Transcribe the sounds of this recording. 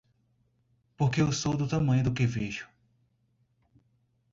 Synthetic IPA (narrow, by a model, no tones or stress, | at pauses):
poɾkewsowd̪ʊt̪ɐmɐ̃j̃ʊd̪ʊkeveʒʊ̥